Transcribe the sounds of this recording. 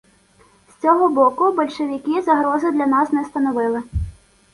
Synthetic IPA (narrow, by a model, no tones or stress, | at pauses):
st͡sʲɔɦɔbɔkʊbɔlʲʃeʋʲɪkɪzɐɦɾɔzɪd̪lʲɐnɑsnɛst̪ɐnɔʋɪlˠɪ